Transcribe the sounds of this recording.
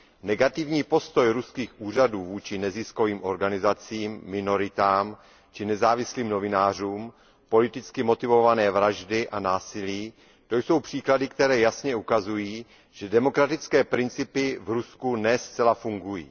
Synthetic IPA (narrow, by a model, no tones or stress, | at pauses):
nɛɡat̪ɪvɲiːpo̞st̪o̞jɾuskiːxʔuːr̝aduːvuːt͡ʃɪnɛzɪsko̞viːmʔo̞ɾɡanɪzat͡siːmːɪno̞ɾɪt̪aːm | t͡ʃɪnɛzaːvɪsliːmno̞vɪnaːr̝uːm | po̞lɪt̪ɪt͡skɪmo̞t̪ɪvo̞vanɛːvɾaʒdɪʔanaːsɪliː | t̪o̞jso̞wpr̝̥iːkladɪk̚t̪ɛɾɛːjasɲɛukazujiː | ʒ̥ɛdɛmo̞kɾat̪ɪt͡skɛːpɾɪnt͡sɪpɪvɾuskunɛst͡sɛlafuŋɡujḭː